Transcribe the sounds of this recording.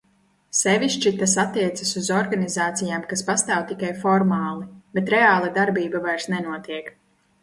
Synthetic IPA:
sɛviʃt͡ʃit̪asat̪ːiɛt̪sasuzɔɾɡanizaːt̪sijaːmkaspast̪aːwt̪ikajfɔɾmaːlˠibet̪ɾeaːlˠad̪aɾbiːbavajɾsnɛnuɔt̪iɛk

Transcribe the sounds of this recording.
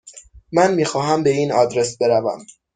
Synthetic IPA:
mænmiːxɒːɦæmbe̞iːnɒːd̪ɾe̞sbe̞ɾævæ̰m

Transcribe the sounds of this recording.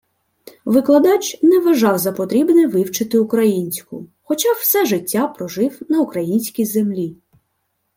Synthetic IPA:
ʋɪklˠɐd̪ɑt͡ʃnɛʋɐʒɑwzɐpɔt̪ɾʲibnɛʋɪwt͡ʃɪt̪ɪʊkɾɐjinʲsʲkʊ̰xɔt͡ʃɑw̥sɛʒɪtʲːapɾɔʒɪwnɐʊkɾɐjinʲsʲkʲijzemlʲi

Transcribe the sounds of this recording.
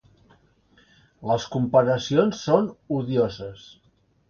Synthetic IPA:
ləskumpəɾəsionsːonuðiozəs

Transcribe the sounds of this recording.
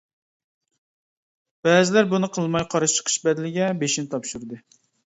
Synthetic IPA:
b̥ɛːzɪlæɾbunɨqʰəlˠmɑjqʰɑɾɨt͡ʃʰə̥qʰə̥ʃbɛd̪lɪɡʲɛbeʃinɪt̪ʰɑpʃuɾɨd̪ɨ

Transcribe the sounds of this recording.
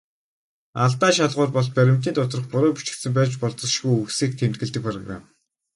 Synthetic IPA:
aɮt̪aːʃaɮʁʊːrpɔɮpæɾʲɪ̆m̥t̪iːnt̪ʰʊt̪rɞ̆χpʊɾʊːpu̥t͡ɕɪ̥̆kt̪sɘ̆mpæːt͡ɕpɔɮt̪ɞ̆ʃɣujɵksiːk̚t̪ʰem̥t̪̚ɡɘ̆ɮt̪ɘ̆k̚pʰrɔ̰ɣra̰m

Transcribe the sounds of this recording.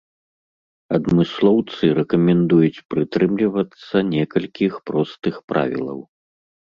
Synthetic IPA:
ɐd̪mɨslˠɔwt̪sɨɾɛkɐmʲɛnd̪ujut͡sʲpɾɨt̪ɾɨmlʲivɐt̪sːɐnʲɛkɐlʲkʲixpɾɔst̪ɨxpɾa̰vʲḭlˠɐ̰w

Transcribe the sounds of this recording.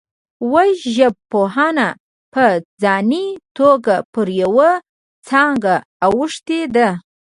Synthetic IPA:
waʒəb̚poɦɑna | pəd͡zɑnit̪oɡapəɾjawa | t͡sɑŋɡaː | wəʂt̪ed̪a

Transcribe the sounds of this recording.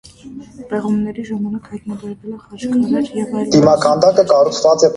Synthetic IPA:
bɛʁumnɛɾiʒɑmɑnɑkhɑjt̪nɑbɛɾvɛlɛχɑʃk̪ʰnɛɾɛd̪̥imɑkʰɑnd̪ɑkəkɑrut͡sʰvɑt͡sɛ

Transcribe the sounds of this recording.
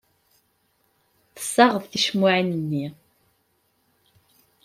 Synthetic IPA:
θə̥sːɑʁəðθiʃmʊʕanənːi

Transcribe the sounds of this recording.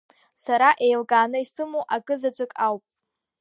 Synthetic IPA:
saɾaʔe̞jlɡaːnɨisɨmuʔakʼɨzat͡ɕʷʰʼakʼawpʼ

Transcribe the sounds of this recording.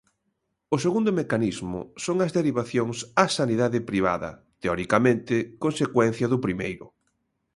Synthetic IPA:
ʊseɣund̪ʊmekanizmʊ̰soŋɐzðeɾiβaθjoŋsasaniðaðɪpɾiβ̞a̰ðɐ̰ | t̪eɔɾikamẽnt̪ɪkonsekwɛn̟θjɐðʊpɾimejɾʊ

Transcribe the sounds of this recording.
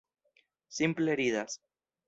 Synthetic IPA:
simpleeɾiðas

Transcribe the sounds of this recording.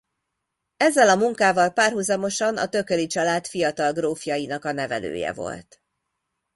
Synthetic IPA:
ɛzːɛlɒmuŋkaːvɒlpaːrɦuzɒmo̞ʃɒnɒ̰t̪ø̞kølit͡ʃɒlaːt̪fijɒt̪ɒlɡroːfijɒjinɒkɒnɛvɛ̰lø̰ːjɛ̰vo̞̰lt̪

